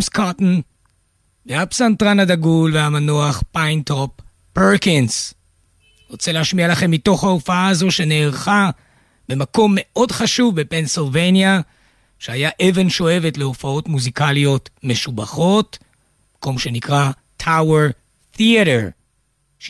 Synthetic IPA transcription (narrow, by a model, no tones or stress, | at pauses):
mskatn̩ | veapsantʁanadaɡulveamanoaχpajntopː | eʁkins | ʁot͡selehaʃmialaχe̞mːito̞χhaofaaazo̞ʃe̞neːʁχa | b̥e̞mako̞mːe̞ʔo̞dχaʃuvbepensilvejnja | ʃeajaʔeve̞nʃo̞e̞ve̞tle̞ofao̞tmuzikalijo̞tme̞ʃubaχo̞t | mako̞mʃe̞nikʁa | tʰaweʁ | θiaɾeʁ | ʃ